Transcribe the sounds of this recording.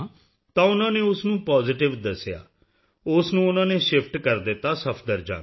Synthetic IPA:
t̪ãːʊnãːneːʊsnũːpaːzɪʈɪʋd̪əsːja̰ː | ʊsnũːʊnãːneːʃɪpʰʈkəɾd̪ɪt̪ːaːsəpʰd̪əɾd͡ʒa̰ː

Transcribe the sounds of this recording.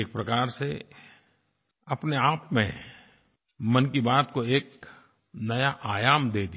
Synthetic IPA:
eːk̚pɾɐkaːɾse | ɐpneaːpmḛ̃ | mɐnkibaːt̪koeːk | nɐjaʔaːjaːmd̪eːd̪i

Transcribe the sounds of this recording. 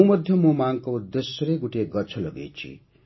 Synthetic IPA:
mʌd̪ʱjʌmomaŋkoud̪ːesjʌɾeɡuʈeɡʌt͡sʰʌlʌɡḛt͡sʰḭ

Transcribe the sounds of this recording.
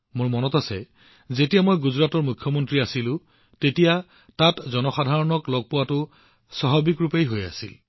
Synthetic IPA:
moɹmɔnɔtasɛ̰ | zetijamojɡuzɹatɔɹmukʰjɔmɔntɹiasilʊ̃ | tetija | tatzɔnɔxadʱaɹɔnɔklɔɡ̚pʊwatʊ | sɔɦɔbikɹupejɦoja̰sḭl

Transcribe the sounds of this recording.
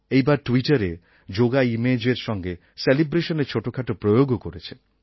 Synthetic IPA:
ejbaɾʈwiʈaɾe | d͡ʒoɡaimed͡ʑeɾʃɔŋɡe | selibɾeʃɔnet͡ʃʰoʈokʰaʈopɾojoɡokoɾet͡ʃʰe

